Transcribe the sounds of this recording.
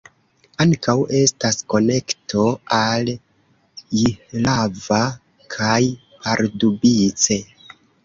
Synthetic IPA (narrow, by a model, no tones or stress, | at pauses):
aŋkawe̞stasko̞ne̞ktʰo̞al | jilava | kʰaj | pʰaɾdubit͡se̞